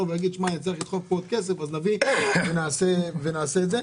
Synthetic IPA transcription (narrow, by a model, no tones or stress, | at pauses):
ovejaɡid̪ʃmaet͡saiχlid̪χok̚pod̪̚kes̬efaznavivenaːsevenaːseːtze